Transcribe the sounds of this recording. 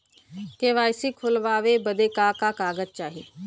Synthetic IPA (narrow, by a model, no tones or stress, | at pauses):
keːʋaːɪsiːkʰʊlʋaːʋeːbəd̪eːkaːkaːkaːɡəd͡ʒt͡ʃaːɦiː